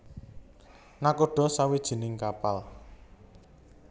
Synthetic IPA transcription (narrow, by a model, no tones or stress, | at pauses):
nakoɖ̥ɔ̤sawid̥ʒ̥i̤nɪŋkapal